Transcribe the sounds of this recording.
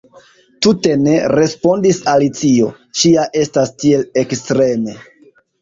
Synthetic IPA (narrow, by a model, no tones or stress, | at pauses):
tute̞ne̞ɾe̞spo̞ndisalit͡sio̞̰ | ʃiaʔe̞stastie̞lekstɾe̞me̞